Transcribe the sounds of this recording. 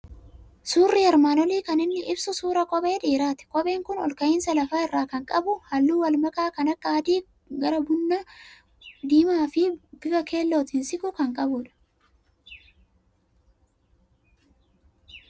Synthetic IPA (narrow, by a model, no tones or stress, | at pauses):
suːrːɪɐɾmaːnɔliːkɐnɪnːɪʔɪbsʊsuːɾɐkʼɔbe̞ːᶑiːɾaːt̪ɪ̥kʼɔbe̞ːŋkʊnɔ̰lkɐjiːnsɐlɐfaːɪrːaːkɐŋkʼɐbʊhɐlːuːwɐlmɐkaːkɐnɐkːad̪iː | ɡɐɾɐbʊnːɐ | d̪iːmaːfɪb̥ɪɡɐke̞ːlːoːt̪ɪnsɪkʊkɐŋkʼɐbʊᶑɐ̥